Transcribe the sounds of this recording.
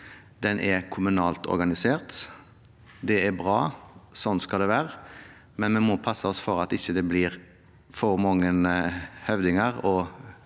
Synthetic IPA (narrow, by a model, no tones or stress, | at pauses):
d̪ɛnʔɛkʰʊmʉnɑːlt̪ɔ̰ɾɡɑnɪseːɾt̪ | d̪ɛæbɾɑːsɔnt̪skɑld̪ɛʋæːɾə | mɛnmɛnmoːpʰɑsəɔsfɔɾɑt̪ɪçːəd̪ɛbliːɾ | fɔɾmɑŋːənhœʋd̪ɪŋəʁɔ